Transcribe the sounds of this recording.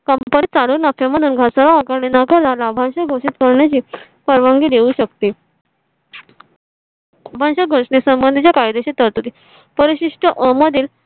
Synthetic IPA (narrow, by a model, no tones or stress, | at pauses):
kəmpənit͡saluːnafjaməd̪ʱuːnɡʱasalaakaɾɳenakəlalabʱãnɕəɡʱoʂiːt̪kəɾɳjat͡ɕiː | pəɾʋaŋɡiːd̪euɕəkt̪i | bʱãnɕəɡʱoʂɳesəmbənd̪it͡ɕjakajd̪eɕit̪əɾt̪ut̪i | pəɾiɕiʂʈəʔəməd̪ʱiːl